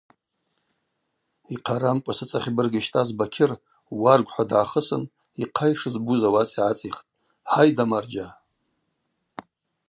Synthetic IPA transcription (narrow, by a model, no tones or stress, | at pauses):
iqʰaɾamkʷʼasɨt͡sʼaχʲbɨrɡaʃtʼazbakʲʰɪr | warɡʷħʷadʕaχəsɨ̰n | iqʰajʂɨzbuzawat͡sʼiʕat͡sʼiχtʼ | ħajdamard͡ʒa